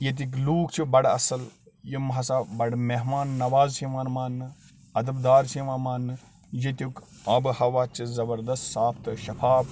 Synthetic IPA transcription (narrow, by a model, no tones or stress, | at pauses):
jet̪̬ik̬luːkt͡ʃʰibɐɽɐ̰sɐl | jimɦɐsaːbɐɖmeɦmaːnːɐʋaːzsʰiʋaːnmaːnːɨ | ɐd̪ɐbd̪aːɾsiʋãːnmaːnːɨ | jet̪ʲjuk | ɐbhɐʋaːt͡ʃʰizɐbɐɾd̪ɐst̪saːpʰt̪ɨʃɐfaːb